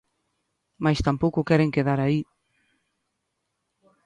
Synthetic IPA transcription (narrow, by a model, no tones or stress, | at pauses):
majst̪ampowkʊkɛɾeŋkeðaɾai